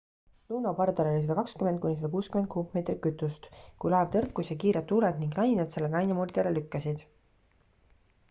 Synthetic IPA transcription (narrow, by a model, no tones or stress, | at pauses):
luːnopɑrd̪ɑlo̞lʲis̬ɑd̪ɑkɑkskymend̪̚kunʲːis̬ɑd̪̥ɑkuːskymen̚kuːkme̞ːt̪rikkyt̪ːˑust̪kujlɑːvt̪ɤrkːˑusjɑkiːɾet̪ːuːled̪niŋɡnɑjnet̪selːenɑjnɑmurd̪ʲɑlelykːɑsid̪̥